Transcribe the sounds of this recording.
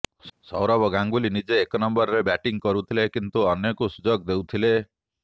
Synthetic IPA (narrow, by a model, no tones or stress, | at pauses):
sɔwɾɔbɔɡaŋɡulinid͡ʒeːkɔnɔmbɔɾɾebɛʈiŋkɔɾut̪ʰilekint̪uɔnjekusud͡ʒɔɡd̪ewt̪ʰile